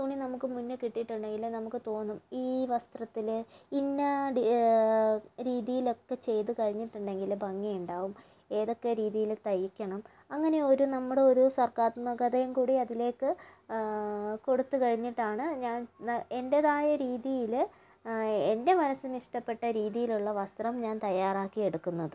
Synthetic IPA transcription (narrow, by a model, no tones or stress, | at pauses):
t̪uːɳinɐmukːɨmunːɨkiʈːiʈːuɳɖe̞ŋɡilnɐmukːɨt̪o̞ːnːumiːʋɐst̪rɐt̪ːilinːɐ | ɾiːðijilo̞kːe̞t͡ɕe̞jt̪ɨkɐɻiɲːiʈːuɳɖe̞ŋɡilbʱɐŋːijuɳɖaːʋum | e̞ːðo̞kːe̞ɾiːðijilt̪ɐjikʲːɐɳɐm | ɐŋːɐne̞o̞ɾunɐmːuɽe̞o̞ɾusɐrkaːt̪nːɐɡɐðɐjɐmkuːɽiɐðile̞ːkːɨ | ko̞ɽut̪ːukɐɻiɲːiʈːaːɳɨɲaːne̞ndeðaːjɐɾiːðijil | ende̞mɐnɐsɨniʂʈɐpːe̞ʈːɐɾiːðijiluɭːɐʋɐst̪rɐmɲaːnt̪ɐjaːraːkːije̞ɽukːunːɐðɨ